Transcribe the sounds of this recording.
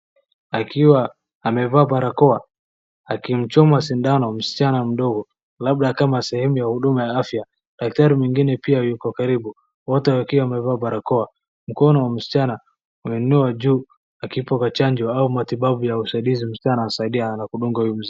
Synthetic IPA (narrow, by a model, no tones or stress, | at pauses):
akiwaː | mɛvaːɓaɾakɔa | akim̩t͡ʃɔmasindanɔm̩si̥t͡ʃanam̩ɗɔɡɔ | lab̚ɗakamasɛhɛmujahuɗumajaafja | ɗak̚taɾimiŋɡinɛpiajukɔkaɾiɓu | wɔtɛakiwaːmɛvaːɓaɾakɔa | m̩kɔnɔwam̩si̥t͡ʃanaː | mɛnunuad͡ʒuː | akipɔkat͡ʃaɲd͡ʒɔaumatiɓaɓujausaiɗizim̩si̥t͡ʃanasaiɗianakuɗuŋɡahujum̩zi